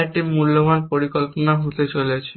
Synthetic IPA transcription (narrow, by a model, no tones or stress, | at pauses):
ɾʈimːulːoɡʱanpoɾikolponaɦot̪et͡ɕoliet͡ɕʰe